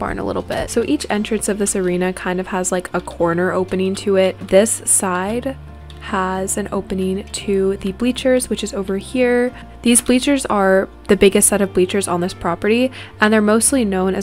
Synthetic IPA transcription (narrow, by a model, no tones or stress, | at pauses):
b̥ɑ̰̃ɹ̃nə̰lɪ̰ɾl̩ˠbɪ̰tsoʊʔit͡ʃɛ̰̃nt͡ʃɹ̥ɨ̃nsʌvðɪsə˞ĩnɨkʰãɪ̃ndʌv̥əzlaɪkʰəkʰɔɹnə˞ʔoʊpɨnɪ̃ŋtʰɨɪt̚ðɪsːaɪd | əzɨ̃no̰ʊpɨnɪ̃ŋtʰɨðɨblit͡ʃə˞zwɨt͡ʃɨzoʊvə˞hiɹ | ðizblit͡ʃə˞zə˞ | ðɨbɪɡɨstsɛɾʌvblit͡ʃə˞zn̩ðɪspʰɹ̥ɑpə˞ɾiʔɨ̃nðə˞moʊstˡlinõʊ̃nɨ̰